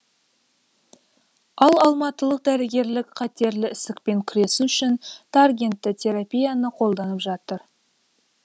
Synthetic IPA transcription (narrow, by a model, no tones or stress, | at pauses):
ɑlˠɑlˠmɑt̪əlˠəq̚d̪æɾɪɡʲe̞ɾlɪkqʰɑt̪e̞ɾlɪɪsɪk̚pe̞ŋkʲʰʏɾe̞suʏʃɪnt̪ʰarɡʲe̞nt̪ːɪt̪ʲʰe̞ɾapʲijanəqʰo̞lˠd̪ɑnəpʒɑt̪əɾ